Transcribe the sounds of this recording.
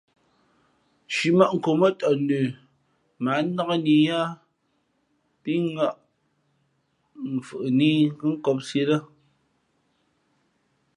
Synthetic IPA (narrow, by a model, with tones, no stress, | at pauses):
ʃi˨ma˦ʔŋ̩˨ko˨mə˦tɔ˨nʉ˨ | ma˨˦na˦ka˦˨ni˨ja˦ | pi˦ŋa˦˨ʔ | m̩˨fɨ˨ʔni˦ŋ˦kɨ˦ŋ̩˦kɔ˦p̚se˦lə˦